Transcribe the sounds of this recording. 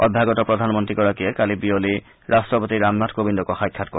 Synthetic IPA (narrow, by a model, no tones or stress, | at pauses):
ɔd̪ʱːaɡɔt̪opɾod̪ʱanmont̪ɾikɔɾakiekalibioli | ɾasʈopot̪iɾamnatʰkobind̪okɔxajkʰːat̚koɾ